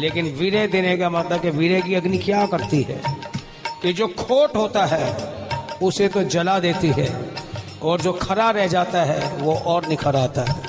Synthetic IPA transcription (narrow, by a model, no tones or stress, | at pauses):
leːkɪnʋiɾed̪ɪnekamɐt̪ləb̚keʋiɾek̬iɐɡnikjakɐɾt̪iɦɛ̰ː | kid͡ʒoːkʰoːʈɦoːt̪aɦɛː | ʊset̪od͡ʒɐlad̪eːt̪iɦɛ̰ː | ɔːɾd͡ʒoːkʰɐɾaɾɛɦd͡ʒaːt̪aɦɛʋoʔɔːɾnɪkʰəɾaːt̪aɦɛː